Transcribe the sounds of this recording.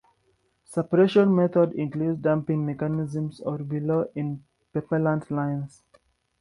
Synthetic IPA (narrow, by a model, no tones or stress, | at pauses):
sepɾeʃə̃nmet̪ʰɔɖɪ̃ŋkluːɖɖãmpɪ̃ŋmekanɪzə̃msɔːɾbiloːʔɪ̃n | pepəɾlãnɖlãɪ̃ns